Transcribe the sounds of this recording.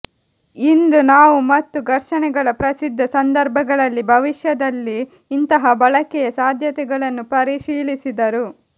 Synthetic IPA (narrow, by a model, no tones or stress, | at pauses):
ind̪unaːʋumɐt̪ːuɡɐɾʂɐnɛɡɐɭɐpɾɐsid̪ʱːɐsɐnd̪ɐɾbʱɐɡɐɭɐlːibʱɐʋiʃjɐd̪ɐlːiː | nt̪ɐɦɐbɐɭɐkɛjɐsaːd̪ʱjɐt̪ɛɡɐɭɐnːupɐɾiʃiːɭisid̪ɐɾu